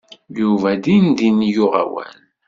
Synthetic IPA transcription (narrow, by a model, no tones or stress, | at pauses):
juvæd̪ind̪injʊʁa̰wæ̰n